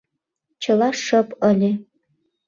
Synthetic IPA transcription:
t͡ɕɤ̆lɑʂə̆pəlʲe

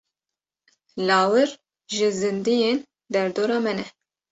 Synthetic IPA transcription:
lɑːwɨɾ | ʒɨzɨnd̪ijeːn | d̪ɛɾd̪oːɾɑːmɛnɛ

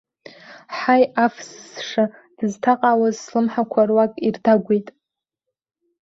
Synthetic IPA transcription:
ħajafssʂad̥ɨztʰaqʼawazslɨmħakʷʰarwakʼirdaɡʷejtʼ

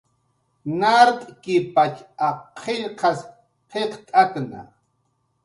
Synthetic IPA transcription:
naɾt̪ʼkɪpat͡ʃaqʰeʎqʰɑs | qʰeqt̪ʼakna̰

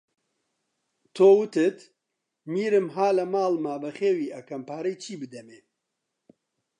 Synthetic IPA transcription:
t̪ʰoːwɨt̪ɨt̪ | miːɾɨmɦaːlɐmaːlmaːbɐχeːwiːʔɐkʰɐmpʰaːɾijt͡ʃʰiːbɨd̪ɛmeː

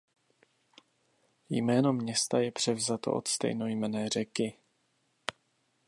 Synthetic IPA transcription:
jmɛːno̞mɲɛst̪ajɛpr̥ɛvzat̪o̞̰ʔot̪st̪ɛ̰jnojmɛnɛːr̝ɛkɪ

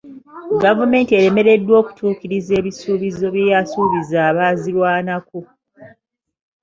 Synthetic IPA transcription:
ɡavume̞ːntie̞ɾe̞me̞ɾe̞dːwo̞ːku̥tʰuːkiɾize̞ːβisuːβizo̞βjejasuːβizaːβaːziɾwaːnako̞

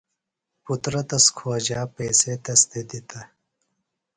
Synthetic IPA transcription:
put̪ɾɐt̪ɐskʰoːd͡ʑaːpeːset̪ɐst̪ed̪it̪ɐ

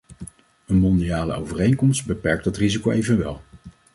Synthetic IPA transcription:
ənmɔndijaːlə̰owvərejnkɔmstbəpɛɹk̚dɑtrizikowʔejvənʋɛ̰lˠ

